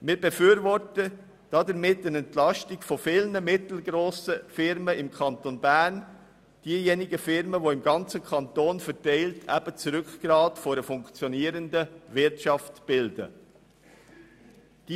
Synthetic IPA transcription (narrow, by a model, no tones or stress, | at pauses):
mɪːɾbɛfyːɾvɔɾtə | d̥ɑdəɾmɪtːənɛntlɑʃtɪɡfɔfɪlnəmɪtl̩ɡɾoːsəfɪɾməɪmkʰɑntonbæːɾn | d̥iəjɛnɪɡəfɪɾməʋoɪmɡɑnt͡səkʰɑntoːnfɛtɛɪltʰæ̰b̥ət͡sɾʏkɡ̥ɾɑːtfoɾəfʊŋkt͡sjɔniːəɾəndəvɪɾtʃɑftb̥ɪld̥ə̰ | d̥